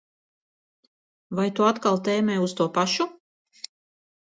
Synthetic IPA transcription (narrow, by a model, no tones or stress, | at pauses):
vajt̪uat̪kalˠt̪ɛːmɛjust̪uɔpaʃu